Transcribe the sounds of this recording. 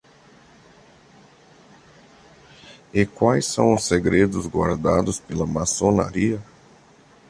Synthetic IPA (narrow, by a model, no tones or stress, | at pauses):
ɪkwajsːɐ̃w̃ʊseɡɾed̪ʊzɡwa̰ɾd̪a̰d̪ʊspelɐmasona̰ɾiɐ